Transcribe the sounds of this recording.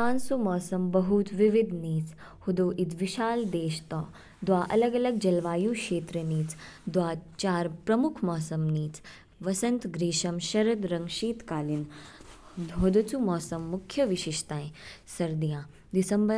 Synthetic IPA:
aːnsumɔːsɐmbɐɦut̪ʋiʋid̪niːt͡s | hud̪oːʔit̪ʋiʃaːld̪eːʃt̪ɔː | d̪ʋaːʔɐlɐɡɐlɐɡ̚d͡ʒɐlʋaːjuːkʃeːt̪ɾəniːt͡sd̪ʋaːt͡ʃaːɾpɾɐmukʰmɔːsɐmniːt͡s | ʋɐsɐ̃nt̪ɡɾiːʃɐmʃɐɾɐd̪ɾɐ̃ŋʃiːt̪kaːlin | ɦod̪ɐt͡sumɔːsɐmːukʰjɐʋiʃiʃt̪ãːẽsɐɾd̪ijãː | d̪isɐmbə

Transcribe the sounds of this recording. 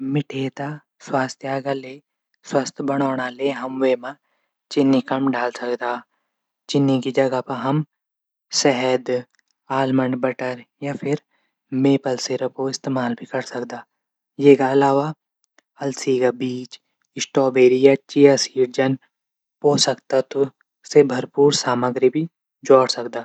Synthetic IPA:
mɪʈʰeːt̪a | swaːst̪ʰjaːɡale | swɐst̪ʰbɐɽ̃aːɽ̃aleɦɐmweːmã | t͡ʃɪnːikɐmɖaːlsɐkd̪aː | t͡ʃɪnːikid͡ʒɐɡapɐɦɐm | sɛɦɛd̪ | aːlməɳɖbɐʈəɾjapʰɪɾ | meːpəlseɾəpoɪst̪eːmaːlbʱikɐɾsɐkd̪aː | jeːkaɐlaːʋa | ɐlsikabiːt͡ʃ | ɪsʈɔːbeːɾijat͡ʃijasiːɽ̚d͡ʒɐn | poːsɐkt̪at̪ʊ | sebʱɐɾpuːɾsaːməɡɾibʱi | d͡ʒɔːɽsɐkd̪aː

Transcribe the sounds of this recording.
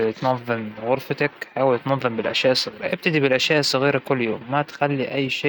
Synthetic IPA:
t̪nɑðˤːɨmɣʊɾfɑt̪akħaːwɪlt̪nɑðˤːɨmbɪlʔaʃjaːʔɪsˤːɑɣiːɾɑʔɪb̚t̪ad̪ibɪlʔaʃjaːʔɪsˤːɑɣiːɾɑkʊlːjoːmːat̪xalːiʔajːʃeːʔ

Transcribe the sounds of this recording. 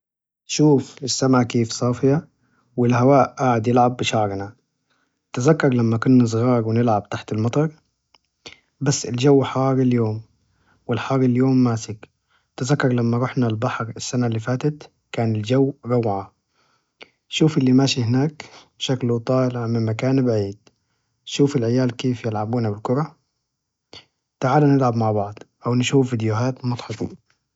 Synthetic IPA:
ʃuːfɪsːamʕakeːfsˤɑːfɪja | wɪlhawaːʔʔaːʕɪd̪jɪlʕabːɪʃɑʕɾna | t̪ɪzakːɑɾˤlamːakʊnːɪs̬ˤɣɑːɾˤwɪnɪlʕab̚t̪aħt̪ɪlmɑt̪ˤɑɾˤ | basːɪld͡ʒawːħɑɑːɾɪljoːm | wɪlħɑːɾɪljoːmːaːsɪk | t̪ɪzakːɑɾˤlamːaɾˤʊħnalbaħɾɪsːanalːiːfaːt̪at̪ | kaːnɪld͡ʒawːɾˤɑwːʕa | ʃuːfʔɪlːimaːʃihɪnaːk | ʃaklut̪ˤɑːlɪʕmɪmːakaːnbaʕiːd̪̥ | ʃuːfɪlʕɪjaːlkeːfjɪlʕabuːnabɪlkʊɾˤɑ | t̪aʕaːlanɪlʕabmaʕbɑʕd̪ˤʔawnʃuːfvid̪jʊɦaːt̪mʊt̪ˤħɑt̪ˤḭ

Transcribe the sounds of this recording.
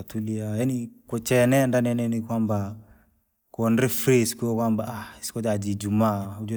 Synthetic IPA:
tuliajanikɔt͡ʃɛnɛndanɛnɛnikwamba | kuɔndɾɛfɾisi̥kuɔkwambaaisi̥kɔd͡ʒad͡ʒid͡ʒumaːud͡ʒɔ

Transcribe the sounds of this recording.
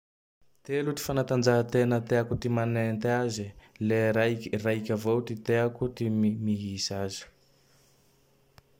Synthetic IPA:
t̪eluʈ͡ʂi̥fanat̪and͡ʒaɦət̪enət̪eakut̪imanent̪azilearaikʲavowt̪it̪eakut̪immiɦisazi̥

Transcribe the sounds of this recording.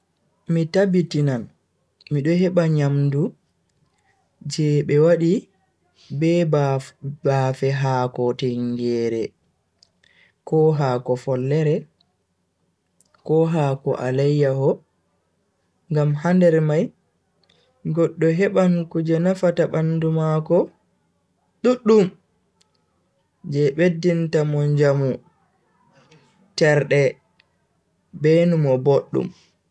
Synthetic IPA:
mitabitinan | miɗɔɦɛɓaɲamdu | d͡ʒɛɓɛwaɗi | bɛbbafɛɦaːkɔtɛŋɡɛːɾɛ | kɔɦaːkɔfɔlːɛɾɛ | kɔɦaːkɔ̰ʔa̰lajːahɔ | ŋɡamhandɛɾmaj | ɡɔɗːɔɦɛɓankud͡ʒɛnafataɓandumakɔ | ɗuɗːum | d͡ʒɛɓedːintamɔnd͡ʒamu | tɛɾɗɛ | bɛnumɔboɗːṵm

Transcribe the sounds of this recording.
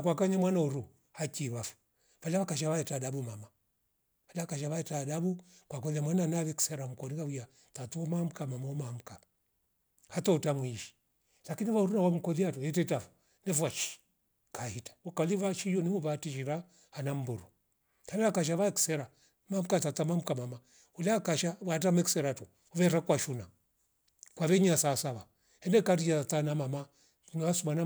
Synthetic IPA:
kwakaɲamwanauɾu | hakiːβafu̥ | valaβakaʃ̬aβaɛtaɗabumama | valaakaʃ̬aβaɛtaːɗabu | kwakɔðiamwananaβɛki̥sɛɾam̩kɔnikawia | tatuɔmam̩kamamaɔmam̩ka | hatɔutamwiʃi̥ | lakiniβauɾunawam̩kɔðiatuɛtɛtafu̥ | nɛfuat͡ʃi̥ | kʰahitḁɔkaliβat͡ʃijɔnimuβatiʃiɾa | hanam̩buɾu | halɛakaʃ̬aβaɛksɛɾa | mam̩katatamam̩kamama | ulakaʃawat̬amɛksɛɾatu | uβɛɾakwaʃuna | kwaβɛɲasasaβa | hɛnɛkat̬iʃatatanamama | nasumana

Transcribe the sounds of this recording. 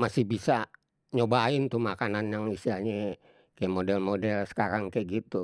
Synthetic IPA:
masihbisa | ɲobaɪnt̪umakananjaŋisiaɲɛ | kajamodɛlmodɛlsə̥kaɾaŋkaɡit̪u

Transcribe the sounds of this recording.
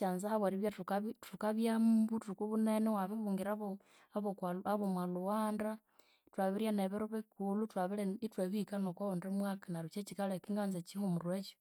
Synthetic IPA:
t͡ʃanzahaβwaɾiβjatukatukaβjambutuikuβunenewaβeβuːŋɡiɾaβo | βokaaβomwaluwaːnda | twaβiɾjaneβeɾoβekulutwaβileitweβikanokwaondemwakanaɾut͡ʃet͡ʃikalekiŋɡanzet͡ʃihomuɾwet͡ʃo̥

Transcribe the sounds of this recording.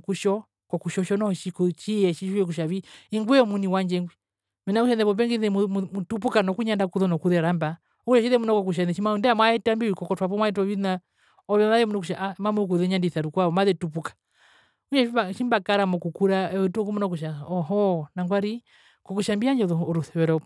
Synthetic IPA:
kuʃɔ | kɔkuʃɔʃɔnɔʃikut͡ʃiɛʃiʃuɛk̬uʃaβiiŋɡwɛɔmuniwaɲd͡ʒɛŋɡwi | mɛnakuʃanɛβɔp̬ɛŋɡiðɛmumutup̬ukanɔkuɲandakuðɔnɔkuðɛɾamba | ɔkuʃɔʃiðɛmunɔkɔk̬uʃ̬anɛʃimaundɛamwaɛtambiwikɔkɔtwapɔmwaɛt̬ɔβina | ɔβɛmaðɛmunukuʃaʔamamuk̬uðɛɲandiθaɾukwaɔmaðɛtup̬ukḁ | uɲɛibaʃimbakaɾamɔkukuɾaɛɛtuɔkumɔnɔk̬uʃaɔɦɔnaŋɡwaɾi | kɔkuʃambiaɲd͡ʒɔðɔɾuθɛwɛɾɔ

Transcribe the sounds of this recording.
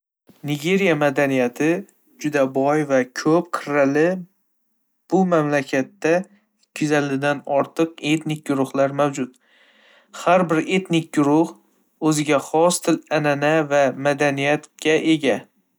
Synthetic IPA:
nɪɡʲe̞ɾijamad̪anijat̪ʰɪ | d͡ʒʊd̪abɒjvakʲʰɵp̚qʰɨɾalɪ | b̥ʊmamlakʲʰat̪ːa | kʲʰʊzald̪ɪd̪anɒɾt̪ʰɨqe̞t̪nɪk̚ʲɡʊɾʊhlaɾmawd͡ʒʊt̪ | haɾbɪɾe̞t̪nɪk̚ʲɡʊɾʊh | ɵzɪɡʲaχɒst̪ʰɪlananavamad̪anijat̪ɡʲaʔe̞ɡʲa

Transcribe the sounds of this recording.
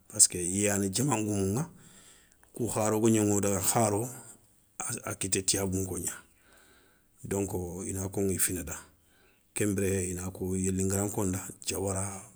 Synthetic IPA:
paskeijaneɟamaŋɡumuŋa | kuhaɾokuɲaŋodaɡaxaɾo | a̰kitetiabuŋkoɲa | doŋkoḭnakoŋifinada | kembɾehejinakojelːiŋɡaɾaŋkondat͡ʃawaɾa

